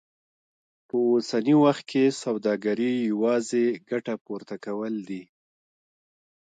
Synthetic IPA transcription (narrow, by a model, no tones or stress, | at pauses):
pəosaniwaxt̪̚kʰesawd̪ɑɡaɾijawɑzeɡaʈapuɾt̪akawəld̪i